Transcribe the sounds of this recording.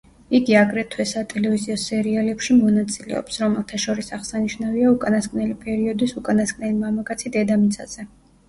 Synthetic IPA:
iɡiaɡɾɛt̪ʰwɛsat̪ʼɛlɛviziɔsɛɾialɛpʃimɔnat̪sʼilɛ̰ɔ̰psɾɔmɛlˠt̪ʰaʃɔɾisaʁsaniʃnaviaukʼanaskʼnɛlipʼɛɾiɔd̪isukʼanaskʼnɛlimamakʼat̪sʰid̪ɛd̪amit̪sʰa̰z̥ɛ

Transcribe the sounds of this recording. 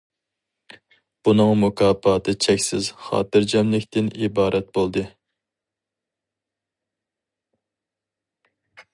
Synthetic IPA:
b̥unɨŋmukʰɑːpʰɑːt̪ʰɨt͡ʃʰɛkʲsɪz̥χɑ̰ːt̪ɨɾd͡ʒɑmlɪkʲt̪ɪnibɑːɾʔɛt̪̚bolˠd̪ɨ

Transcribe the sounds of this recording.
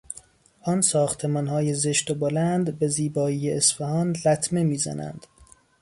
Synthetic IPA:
ʔɒnsɒːxt̪ʰe̞mɒːnhɒːjeze̞ʃt̪obolænd̪be̞ziːbɒːiːjeːsfæhɒːnlæt̪ʰme̞miːzæ̰næ̰nd̪̥

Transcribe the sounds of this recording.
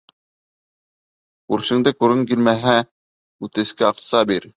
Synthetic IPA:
uɾʃɘ̆ŋd̪ɘkuɾɘŋk̬ilmæɦæ | ʉt̪ɘ̆skɘɑq̚sɑbiɾ

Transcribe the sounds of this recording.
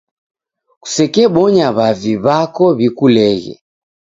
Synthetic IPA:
ku̥sɛkɛɓɔɲaβaviβakɔβikulɛɣɛ̰

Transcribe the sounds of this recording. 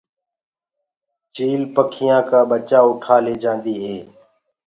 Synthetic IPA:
t͡ʃiːlpəkʰɪjãːkaːɓət͡ʃaːʊʈʰaːleːd͡ʒãːnd̪iːɦeː

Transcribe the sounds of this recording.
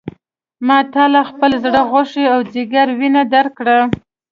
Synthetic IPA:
mɑt̪ɑlaxpəlzɽəɣoʂeawd͡ziɡaɾwinad̪aɾkɽa

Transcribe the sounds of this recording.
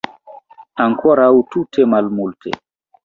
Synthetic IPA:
ʔaŋkʰɔɾawututʰɛmalmultʰɛ̰

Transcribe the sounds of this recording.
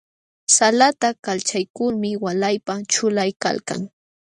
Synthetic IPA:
salat̪akalt͡ʃajkʊlmɪwalajpat͡ʃʊlajka̰lka̰ŋ

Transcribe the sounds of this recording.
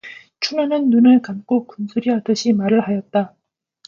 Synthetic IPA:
t͡ɕʰunanɯnːunɯɭkamk͈okunsʰuɾiatɯɕʰimaɾɯɭhajʌt̚t͈a

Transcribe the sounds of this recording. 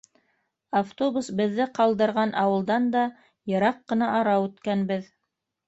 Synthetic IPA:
aft̪obusbɘ̆ðːɘqɑlˠd̪ɤ̆ɾʁɑnʔɑwɤ̆lˠd̪ɑnd̪ɑ | jɤ̆ɾɑqːɤ̆nɑʔɑɾɑʉt̪kænbɘð

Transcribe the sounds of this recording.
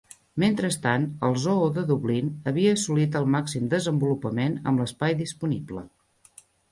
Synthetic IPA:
ment̪ɾəst̪anəlˠzooðəðuβlinəβiəːsulit̪̬əlˠmaksimd̪əzəmbulupəmenə̰mləspajðispuniblə̰

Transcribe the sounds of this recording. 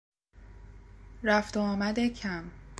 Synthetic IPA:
ɾæft̪oːmæd̪ecʰæm

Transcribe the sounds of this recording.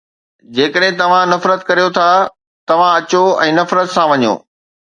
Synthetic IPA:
d͡ʑeːkəɗɦɪ̃t̪ɐʋ̤ãnɐfɾət̪̚kɐɾijot̪ʰa | t̪ɐʋ̤ãɐt͡ɕoɛ̃ːnɐfɾət̪sãʋɐɲo̰ː

